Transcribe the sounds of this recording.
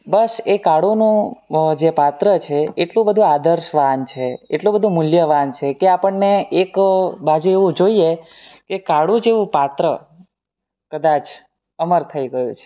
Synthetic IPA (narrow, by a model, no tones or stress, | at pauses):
bəsekaɽunũd͡ʒepat̪ɾət͡ʃʰeeʈlũbəd̪ʱũad̪əɾʃʋant͡ʃʰeeʈlũbəd̪ʱũmʊljəʋant͡ʃʰekeapəɳːeekbad͡ʒueʋũd͡ʒoie | kekaɽũd͡ʒeʋũpat̪ɾə | kəd̪at͡ʃ | əməɾt̪ʰəiɡəjũt͡ʃʰe̥